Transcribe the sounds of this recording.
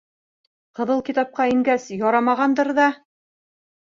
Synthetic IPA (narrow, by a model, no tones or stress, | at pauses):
qɤ̆ðɤlˠkit̪ɑp̚qɑiŋɡæsjɒɾɑmɑʁɑnd̪ɤɾðɑ